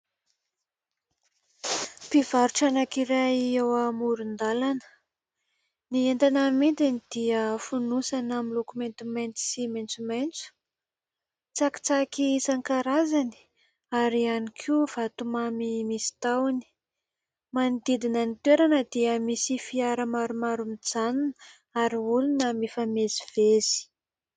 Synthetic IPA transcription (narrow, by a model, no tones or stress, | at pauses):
piv̥aɾuʈ͡ʂanakiɾaiewamuɾund̪alanə̥ | nient̪anəmint̪inid̪̥iəfunusanamilokument̪ument̪siment͡sument͡su̥ | t͡saki̥t͡sakisaŋkaɾazani̥ | aɾianikʰuv̥at̪umamimisi̥t̪awni̥ | mand̪id̪inənit̪weɾanəd̪iəmisifiaɾəmaɾumaɾumid͡zanin | aɾiulunəmifameziv̥ezi̥